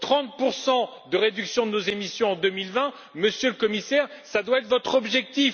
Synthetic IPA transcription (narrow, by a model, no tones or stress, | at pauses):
t̪χɑ̃t̪̚puʁsɑ̃ | d̪əʁed̪yksjɔ̃d̪ənozemisjɔ̃ɑ̃d̪ømilvɛ̃ | məsjøləkɔmisɛʁsad̪waɛt̪χvɔt̪χɔbʒɛk̚t̪if